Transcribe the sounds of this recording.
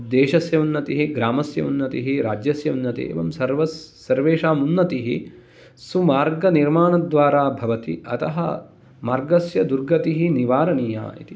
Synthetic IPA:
d̪eːʃɐsjɐunːɐt̪iɦiɡɾaːmɐsjɐ̰unːɐt̪iɦiɾaːd͡ʒjɐsjɐunːɐt̪ḭḛːʋɐmsɐɾʋɐsː | ɐɾʋeːʃaːmunːɐt̪iɦi | sumaːɾɡɐniɾmaːɳɐd̪ʋaːɾaːbʱɐʋɐt̪iɐ̰t̪ɐɦɐ̰ | maːɾɡɐsjɐd̪uɾɡɐt̪iɦiniʋaːɾɐniːja̰ːḭt̪i

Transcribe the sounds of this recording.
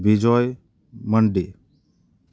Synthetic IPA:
bid͡ʒɔj | məɳɖe

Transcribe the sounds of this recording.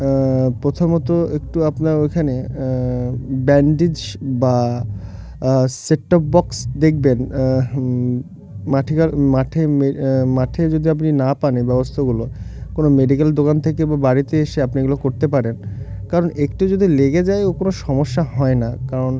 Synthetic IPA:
pɾot̪ʰomɔt̪oekʈuapnaɾojkʰane | bɛɳɖid͡ʑba | seʈɔp̚bɔksd̪ek̚ʰben | maʈʰikamaʈʰememaʈʰed͡ʑod̪ʱiap̬ninapanibɛbost̪ʰaɡulokonomeɖikeld̪okant̪ʰekebabaɾit̪eeʃeapniɡulokoɾt̪epaɾenkaɾonekʈud͡ʑod̪ʱileɡed͡ʑaeokonoʃɔmoʃːaɦɔenakaɾon

